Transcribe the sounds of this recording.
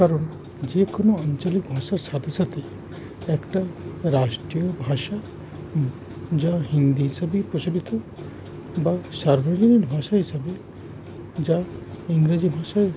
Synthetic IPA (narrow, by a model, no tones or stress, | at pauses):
kaɾɔɳ | d͡ʒekonoaɲt͡ʃɔlik̚bʱaʃaɾsad̪ʰʱesʰat̪i | ɛkʈaɾasʈɾijɔbʱaʃa | d͡ʒaɦind̪iɦisabipɾot͡ʃolit̪ɔ | basaɾbʱad͡ʒɔniɾbʱaʃaɦisabe | d͡ʒaiŋɾad͡ʒibʱaʃa